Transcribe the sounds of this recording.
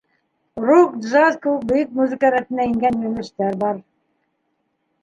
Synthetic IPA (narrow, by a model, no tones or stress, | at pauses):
rukd̪ʒazkowk̚bɵ̆jɘk̚muzɘ̆kɑɾæt̪ɘnæĭŋɡænjɵnɘ̆ʃt̪æɾbɑɾ